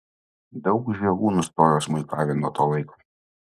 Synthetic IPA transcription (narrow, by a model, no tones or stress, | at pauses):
d̪ɒʊkʒʲɛɡuːnʊst̪oːjoːsmʊɪkɑːʋʲɛnoːt̪oːlˠɐɪkoː